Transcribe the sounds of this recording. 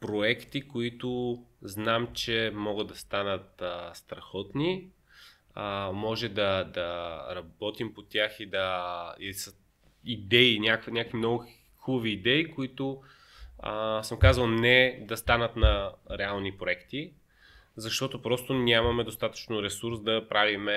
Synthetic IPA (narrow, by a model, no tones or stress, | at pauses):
pɾoɛkt̪ikoit̪ʊznamt͡ʃɛmɔɡəd̪ɐst̪anət̪əst̪ɾɐxɔt̪ni | əmɔʒɛd̪ɐd̪ɐɾɐbɔt̪impot̪ʲjaxid̪ɐisə | id̪ɛinʲakvinʲakvimnɔɡʊ | xubəviːd̪ɛikoit̪ʊ | əsəmkazvəlˠnɛd̪ɐst̪anət̪nɐɾɛalˠnipɾoɛkt̪i | zɐʃt̪ɔt̪opɾɔst̪onʲamɐmɛd̪ost̪at̪ə̥t͡ʃnoɾɛsuɾsd̪ɐpɾʔavimɛ